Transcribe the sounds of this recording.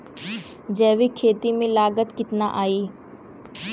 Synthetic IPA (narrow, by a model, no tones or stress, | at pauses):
d͡ʒɛːʋiːkʰeːt̪iːmẽːlaːɡət̪kɪt̪na̰ːʔaːiː